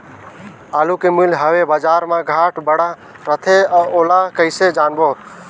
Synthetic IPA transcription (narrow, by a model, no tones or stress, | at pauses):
aːlukemʊlɦəʋebaːd͡ʒaːɾmãɡʱaːʈbəɽa | ɾət̪ʰeaːoːlakəɪsed͡ʒaːnboː